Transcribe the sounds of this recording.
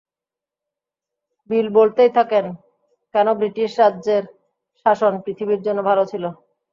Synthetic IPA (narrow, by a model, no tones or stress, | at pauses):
bilbolt̪ejt̪ʰaken | kɛnobɾiʈiʃɾad̪ːʑeɾ | ʃaʃonpɾit̪ʰibiɾd͡ʑonːobʱalot͡ɕʰilo